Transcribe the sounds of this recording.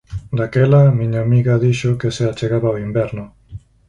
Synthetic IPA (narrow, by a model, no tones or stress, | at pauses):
d̪akɛlamiɲaːmiɣaðiʃokeseat͡ʃeɣaβawimbɛɾnʊ